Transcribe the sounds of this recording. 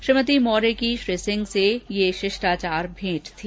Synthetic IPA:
ʃɾɪmət̪̬imɔːɾekiʃɾesɪ̃ŋɡsejeʃɪʃʈaːt͡ʃaːɾbʱẽːʈt̪ʰi

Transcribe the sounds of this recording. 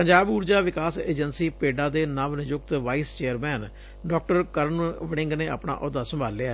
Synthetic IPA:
pəɲd͡ʒaːbuːɾd͡ʒaːʋɪkaːsḛːd͡ʒənsiːpeːɖãːd̪eːnamʋnɪjʊk̚t̪ʋaːiːst͡ʃeːəɾmɛːn | ɖɔːk̚ʈəɾkəɾənʋəɽɪ̃ŋɡneːa̰ːpɳa̰ːʔʊd̪aːsəmbʱaːlːea

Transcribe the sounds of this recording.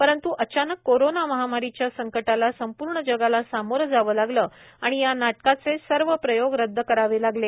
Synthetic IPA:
pəɾənt̪uʔət͡ɕanəkːoɾonaməɦamaɾit͡ɕjasəŋkəʈalasəmpuːɾɳəd͡ʑəɡalasamoɾd͡zaʋəːlaɡləː | aɽ̃ijanaʈkat͡sesəɾʋəpɾəjoɡɾəd̪ʱːəkəɾaʋelaɡle

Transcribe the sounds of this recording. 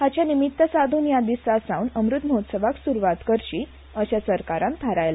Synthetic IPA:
hat͡ɕjanimit̪ːəsad̪ʱuːnjad̪isasaunəmɾut̪məɦot̪səʋaksuɾuʋat̪kəɾɕi | əɕasəɾkaɾãnt̪ʰaɾajla

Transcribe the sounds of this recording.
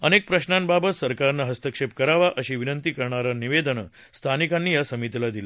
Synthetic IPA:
ənek̚pɾəɕnambabət̪səɾkaɾnaɦəst̪əkʂep̚kəɾaʋaʔəɕiːʋinənt̪iːkəɾɳaɾaniʋed̪ənə | st̪ʰanikanːiːjasəmit̪ilad̪ila

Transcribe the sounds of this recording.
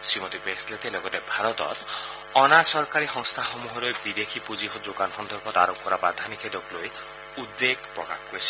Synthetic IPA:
simɔt̪ibeslet̪elɔɡɔt̪ebʱaɾɔt̪ɔ̰t̪ | ɔnasɔɾkaɾixɔŋst̪ʰaxɔmuɦɔɾojbid̪ekʰipud͡ʒiɔd͡ʒokanxɔnd̪ʱɔɾbʱɔt̪aɾɔkkɔɾabad̪ʱanikʰed̪ɔkloj | ud̪ːeɡpɾɔka̰kɡuesʰi̥

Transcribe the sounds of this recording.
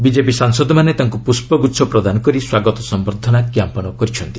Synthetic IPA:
bid͡ʒepisaŋsɔd̪ɔmanet̪aŋkupuspɔɡut̪sʰɔpɾɔd̪anɔkɔɾiswaɡɔt̪ɔsɔmbɔɾd̪ʱɔnakjampɔñɔkɔɾit͡ʃʰɔnt̪i

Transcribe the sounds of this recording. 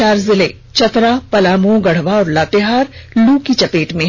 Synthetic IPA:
aːɾzɪle | t͡ʃɐt̪ɾapɐlaːmõɡɐɽ̤ʋaɔːɾlaːt̪ɪɦaːɾluːkit͡ʃɐpeːʈmẽ

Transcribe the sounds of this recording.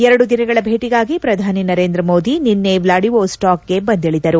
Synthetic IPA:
ɛɾɐɽud̪inɐɡɐɭɐbʱe̞ːʈiɡaːɡipɾɐd̪ʱaːninɐɾeːnd̪ɾɐmo̞ːd̪ininːeʋlaːɽiʋosʈaːkɡe̞bɐnd̪iɭid̪ɐɾu

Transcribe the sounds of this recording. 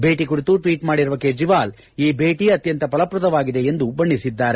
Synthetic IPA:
be̞ːʈikuɽit̪uʈʋiːʈmaːɽiɾuʋɐkeːd͡ʒiʋaːl | iːbeːʈiɐt̪jɐnt̪ɐpɐlɐpɾɐd̪ɐʋaːɡid̪e̞end̪ubɐɳːisid̪ːaːɾe

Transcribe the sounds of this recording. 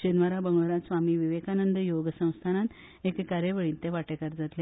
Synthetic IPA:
d͡ʑənʋəɾabəŋɡʋəɾat̪sʋamiːʋiʋekanənd̪əjoɡəsə̃w̃st̪ʰanat̪ | ekːaɾjəʋəɭiːnt̪eʋaʈekaɾd͡zat̪le

